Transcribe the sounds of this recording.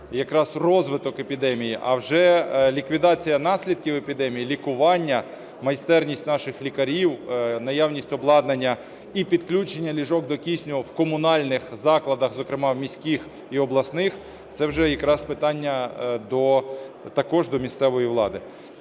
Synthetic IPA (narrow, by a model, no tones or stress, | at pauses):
jɐkɾɑzrɔzʋɪt̪ɔkepʲid̪ɛmʲijiʔɐ̰wʒɛlʲikʋʲid̪ɑt͡sʲijɐnɑsʲlʲid̪̚kʲiwepʲid̪ɛmʲijilʲikʊʋɑnʲːɐ | mɐjst̪ɛrnʲisʲtʲnɑʃɪxlʲikɐɾʲiwnɐjawnʲisʲtʲɔblˠɑd̪nɐnʲːɐ | ipʲid̪klʲut͡ʃenʲːɐlʲiʒɔɡ̚d̪ɔkʲisʲnʲʊwkɔmʊnɑlʲnɪxzɑklˠɐd̪ɐxzɔkɾɪmɑwmʲisʲkʲix | iɔblˠɐsnɪx | t̪sɛwʒɛjɐkɾɑspɪt̪ɑnʲːɐd̪ɔ | t̪ɐkɔʒd̪ɔmʲist̪sɛʋɔjiwlˠɑd̪ɪ